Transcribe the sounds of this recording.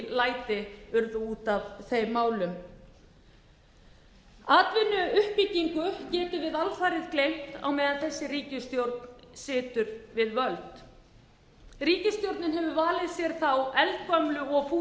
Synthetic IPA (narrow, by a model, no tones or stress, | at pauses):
laːjt̪ɪʏɾðʏuːt̪avθejmaːwlʏm | aːt̪vɪnːʏʏhpicːiŋkʏcɛːt̪ɪvɪðalfaːjɾɪðklejm̥t̪a̰wmɛːðanθɛsːɪriːcɪst̪jowɾt̪nsɪːt̪ʏɾvɪðvœlt̪ | riːcɪst̪jowɾt̪nɪnɦɛvʏvaːlɪðsjɛɾ̥θawɛlt̪̚kœmlʏɔɣfuː